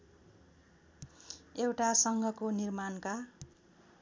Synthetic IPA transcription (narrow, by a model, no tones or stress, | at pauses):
ewʈasʌŋɡʱʌkonirmanka